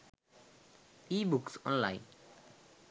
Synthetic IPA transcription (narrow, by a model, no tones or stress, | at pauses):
ibuksɔ̰nlajn